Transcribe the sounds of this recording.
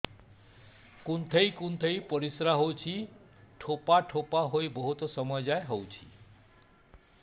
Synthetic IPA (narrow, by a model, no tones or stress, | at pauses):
kunt̪ʰejkunt̪ʰejpɔɾisɾaɦowt͡ʃʰi | ʈʰopaʈʰopaɦojbɔɦut̪ɔsɔmɔjɔd͡ʒaeɦowt͡ʃʰi̥